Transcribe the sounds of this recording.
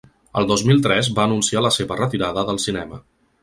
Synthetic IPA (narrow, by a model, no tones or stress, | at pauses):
ə̰lˠd̪ozmilˠt̪ɾɛzbaənunsialəseβərət̪iɾaðəðəlˠsinɛmə̰